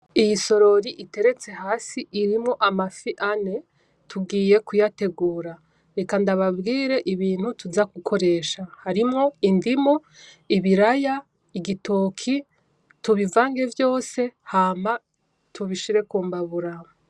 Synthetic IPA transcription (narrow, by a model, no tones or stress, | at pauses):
ijiso̞ɾo̞ɾiʔite̞ɾe̞t͡se̞ɦaːsiʔiɾimŋo̞ʔamafiʔane̞ | tuɡiːje̞kujate̞ɡuːɾa | ɾe̞kandaβabɡiːɾe̞ʔiβiːn̥hutuzakukʰo̞ɾe̞ʃahaɾimŋo̞indimo | iβiɾaja | iɡitʰoːkʰi | tuβivaːŋɡe̞vjo̞ːse̞haːma | tʰuβiʃiɾe̞kuːmbaβuɾam